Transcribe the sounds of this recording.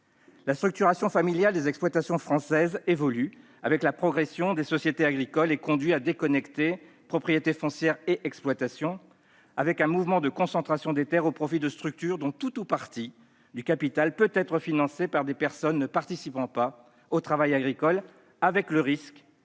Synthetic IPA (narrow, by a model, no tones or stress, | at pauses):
last̪χyk̚t̪yʁasjɔ̃familjald̪ezɛksplwat̪asjɔ̃fχɑ̃sɛzevɔly | avɛklapχɔɡʁesjɔ̃d̪esɔsjet̪eaɡʁikɔlekɔ̃d̪ɥiad̪ekɔnɛkt̪e | pχɔpχijet̪efɔ̃sjɛʁeʔɛksplwat̪asjɔ̃ | avɛkɛ̃muvmɑ̃d̪əkɔ̃sɑ̃t̪χasjɔ̃d̪et̪ɛʁopχɔfid̪əst̪χyk̚t̪yʁd̪ɔ̃t̪ut̪upaʁt̪i | d̪ykapit̪alpøt̪ɛt̪χəfinɑ̃sepaʁd̪epɛʁsɔnːəpaʁt̪isipɑ̃pa | ot̪χavajaɡʁikɔl | avɛkləʁisk